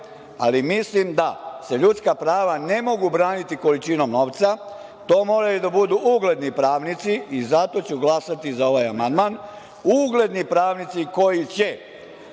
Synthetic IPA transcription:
a̰limislimd̪ase̞ʎut̪skapɾaːʋane̞mo̞ɡubɾaːnit̪iko̞lit͡ʃino̞mno̞ːʋt̪sa | t̪o̞ːmo̞ːɾajud̪abud̪uʔuɡle̞d̪nipɾaːʋnit̪siizat̪o̞t͡ɕuɡlˠasat̪izao̞ʋajamand̪maːn | uːɡle̞d̪nipɾaːʋnit̪siko̞jit͡ɕe̞

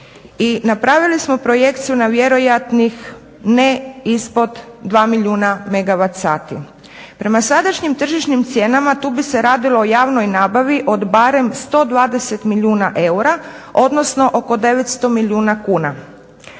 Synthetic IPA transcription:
inapɾaʋilismo̞pɾo̞jekt̪sijunaʋje̞ɾo̞jat̪nix | neispo̞d̪d̪ʋaːmiʎʲuːname̞ɡaʋat̪saːt̪ḭ | pɾe̞masad̪aʃɲimt̪r̩ʒiʃnimt̪sjeːnamat̪uːbise̞ɾaːd̪ilo̞ojaːʋno̞jnaːbaʋiʔo̞d̪baɾe̞mst̪o̞ːd̪ʋaːd̪e̞se̞t̪miʎʲjuːnaʔe̞uɾa | o̞d̪no̞sno̞ʔo̞ko̞d̪e̞ʋet̪st̪o̞milʲjuːnakuːna

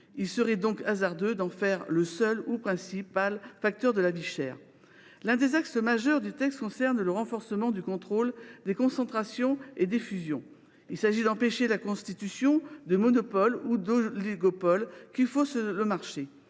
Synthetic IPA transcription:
ilsəʁɛd̪ɔ̃kazaʁd̪ød̪ɑ̃fɛʁləsœlupχɛ̃sipalfak̚t̪œʁd̪əlaviʃɛ̰ːʁ | lɛ̃d̪ezaksəmaʒœʁd̪yt̪ɛkst̪kɔ̃sɛʁnləʁɑ̃fɔʁsəmɑ̃d̪ykɔ̃t̪χold̪ekɔ̃sɑ̃t̪χasjɔ̃ed̪efyzjɔ̃ | ilsaʒid̪ɑ̃peʃelakɔ̃st̪it̪ysjɔ̃d̪əmɔnɔpɔlud̪oliɡɔpɔlkʲifosləmaʁʃe

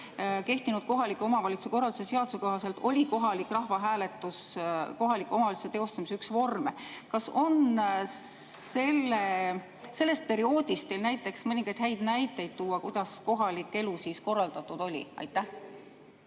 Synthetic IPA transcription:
ke̞ht̪inud̥̪̚ko̞ɦɑlikːˑo̞mɑvɑlʲit̪sueko̞rːɑld̪usese̞ɑd̪̥useko̞ɦɑse̞lt̪o̞lʲiko̞ɦɑlikːrɑhvɑɦæːle̞t̪ːˑusko̞ɦɑlikːˑo̞mɑvɑlit̪set̪e̞o̞st̪ɑmisyksvo̞rme | kɑso̞n | se̞lːe | se̞lːe̞st̪̚pe̞ɾio̞ːd̪̥ist̪ːe̞jlnæjt̪ːˑe̞ksmɤnʲiŋɡ̥ɑjd̪̥ɦæjd̪̥næjt̪ːˑejd̪̥̚t̪uːɑkujd̪̥ɑsko̞ɦɑlikːˑe̞lusiːsko̞rːɑld̪̥ɑt̪ːˑud̪̥o̞lʲḭɑ̰jt̪ːˑæh

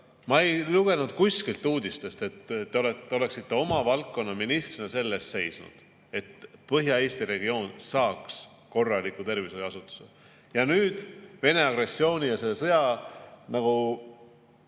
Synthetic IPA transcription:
mɑejluɡ̥e̞nud̪̥̚kusʲkilt̪ːˑuːd̪ist̪e̞st̪e̞t̪ːeo̞let̪ːeo̞le̞ksit̪ːe̞o̞mɑvɑlk̚kːo̞nːɑminist̪rinese̞lːest̪se̞jsnṵd̪̥ | e̞t̪pɤɦjɑe̞ːst̪iɾe̞ɡio̞ːnsɑːks | ko̞rːɑlikːˑut̪e̞rvisojɑsut̪ːˑu̥se | jɑnyːd̪̥ve̞ne̞ɑɡ̥ɾe̞sːio̞ːnʲijɑsesɤjɑnɑɡ̥u

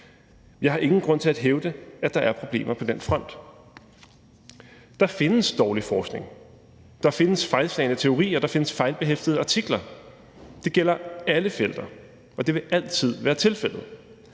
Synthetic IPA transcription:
jɑ̈ɪhɑ̈ʔe̝ŋn̩ɡ̥ʁɔ̽n̰t͡sʰe̝æd̥ɦeʊd̥əæd̥ɑ̈æɐpʰʁo̝b̥le̝̰ːmʔɐpʰɒ̽d̥en̰fʁɒ̽n̰d̥ | d̥ɑ̈fe̝nəsd̥ɒːlifɒːsɡ̥ne̝ŋ | d̥ɑ̈fe̝nəsfɑ̈ɪlslɛ̰ɪnət͡sʰe̝o̝ʁḭːɒd̥ɑ̈fe̝nəsfɑ̈ɪlb̥eɦefd̥əð̩ˠəɑ̈t͡sʰiɡ̥lɐ | d̥e̝ɡ̥el̰ɐæləfel̰d̥ɐ | ɒ̽d̥e̝ʋe̝ʔæl̰t͡sʰið̞̰ˠʋæːɐt͡sʰe̝lfel̰ð̞̩ˠ

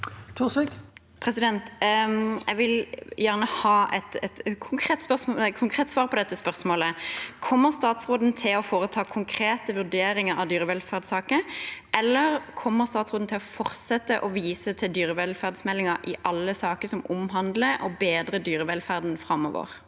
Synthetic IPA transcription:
t̪ʰuːsɪk | pʰʁɛsɪd̪ɛnt̪ | jɛɡʋɪljæʁnəhɑːʔɛ̰t̪ɛt̪kʰʊŋkʰʁeːt̪spœʁsmokʰʊŋkʰʁeːt̪sʋɑːʁpʰɔd̪ɛt̪ːəspœʁsmoːləkʰɔmːəʁst̪ɑːt̪sʁoːd̪n̩t̪ʰɪlɔfoːʁət̪ʰɑːkʰʊŋkʰɾeːt̪əʋʉʁd̪eːɾɪŋəɾɑ̰ʋd̪yːɾəʋɛlfæʁd̪sɑːkəʔɛlːəʁkʰɔmːəʁst̪ɑːt̪sʁoːd̪n̩t̪ʰɪlɔfɔʁsɛt̪ːəʔɔʋiːsət̪ʰɪld̪yːɾəʋɛlfæʁd̪smɛlːɪŋəʔɪʔɑlːəsɑːkəsɔmʔʊmɦɑnd̪ləʔɔbeːd̪ɾəd̪yːɾəʋɛlfæʁd̪nfʁɑmːɔ̰ːʋə̰ʁ

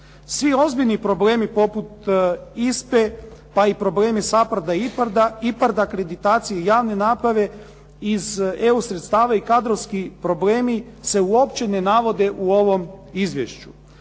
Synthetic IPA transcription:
sʋio̞zbiʎnipɾo̞ble̞ːmipo̞put̪ispepaipɾo̞ble̞ːmisapaɾd̪aipaɾd̪aipaɾd̪aakɾe̞d̪it̪aːt̪sijeijaːʋne̞naːpɾaʋe̞ | ize̞usɾet̪st̪aːʋaikad̪ɾoʋskipɾoble̞ːmise̞uo̞pt͡ɕe̞ne̞naʋo̞d̪e̞ʔuo̞ʋo̞mizʋjḛʃt͡ɕṵ

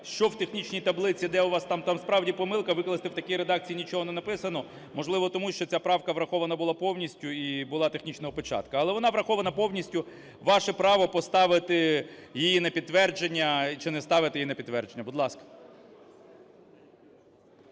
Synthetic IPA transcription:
ʃt͡ʃɔwt̪e̞xnʲit͡ʃnʲijt̪ɐblˠɪt͡sʲid̪ɛʊʋɑst̪ɑmt̪ɑmspɾɑwdʲipɔmɪlˠkɐʋɪkɔlˠɐst̪ɪwt̪ɐkʲijɾed̪ɑk̚t͡sʲijinʲit͡ʃɔɦɔnɛnɐpɪsɐnɔ | mɔʒlˠɪʋɔt̪ɔmuʃt͡ʃɔt͡sʲapɾɑwkɐʋɾɐxɔʋɐnɐbʊlˠɑpɔwnʲisʲtʲʊibʊlˠɑt̪exnʲit͡ʃnɔɦɔpɔt͡ʃɑ̰t̪kɐɐlˠɛʋɔnɑʋɾɐxɔʋɐnɐpɔwnʲisʲtʲʊ | ʋɑʃɛpɾɑʋɔpɔst̪ɑʋɪt̪ɪjijinɐpʲid̪̚ʋɛrd͡ʒenʲːɐt͡ʃɪnɛst̪ɑʋɪt̪ɪjinɐpʲid̪t̪ːʋɛrd͡ʒenʲːɐbʊd̪lˠɑskɐ̥

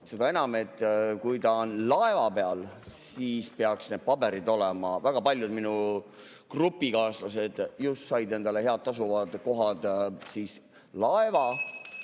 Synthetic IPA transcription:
se̞d̪ɑe̞nɑme̞t̪ːˑkujt̪ɑonlɑe̞vɑpe̞ɑlsiːspeɑksne̞d̪̥̚pɑbe̞ɾid̪o̞lɛmɑvæɡ̥ɑpɑlʲjud̪minu | krupːˑikɑːslɑse̞d̪̥just̪sɑjd̪e̞nd̪̥ɑle̞ɦe̞ɑd̪̚t̪ːɑs̬uvɑd̪̥ko̞ɦɑd̪̥siːs | lɑevɑ

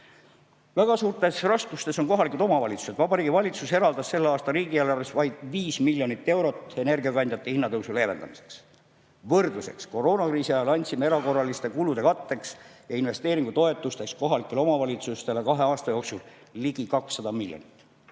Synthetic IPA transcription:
væɡ̥ɑsuːrt̪ˑe̞srɑskust̪e̞so̞nko̞ɦɑlikˑud̪omɑvɑlʲit̪su̥sed̪vɑbɑɾiːɡivɑlʲit̪suse̞ɾɑld̪ɑsːe̞lːeɑːst̪ɑriːɡ̥iælɑresvɑjd̪̥viːsmilʲjo̞nit̪ːe̞wɾo̞t̪ˑːe̞ne̞rɡiɑkɑnʲd̪jɑt̪ːˑehinːɑt̪ɤwsule̞ːve̞nd̪̥ɑ̰mise̞̥ks | vɤrd̪̥luse̞̰ksko̞ro̞ːnɑkriːsiɑjɑlɑnʲt̪simee̞ɾɑko̞rːɑlist̪e̞kulud̪̥e̞kɑt̪ːe̞ksjɑinve̞st̪eːɾiŋɡ̥ut̪o̞e̞t̪ːˑust̪e̞ksko̞ɦɑlikːˑelo̞mɑvɑlʲit̪sust̪e̞lekɑɦe̞ɑːst̪ɑjo̞ːksulː | iɡ̥ikɑksːɑd̪ɑmilʲjo̰nit̪ːˑ

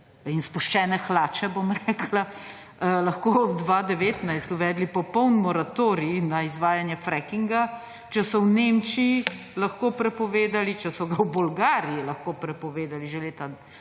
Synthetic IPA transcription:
inspuʃt͡ʃɛːnɛxlaːt͡ʃɛbomɾɛkla | lɐxkod̪ʋad̪ɛʋeːt̪najst̪uʋɛːd̪lipɔpɔwnmɔɾat̪oːɾinaizʋaːjanjɛfɾɛkiŋɡa | t͡ʃɛsɔwnemt͡ʃiji | lɐxkoːpɾɛpɔʋeːd̪alit͡ʃɛsɔɡawbulɡaːɾijilɐxkopɾɛpɔʋeːd̪aliʒeleːt̪a

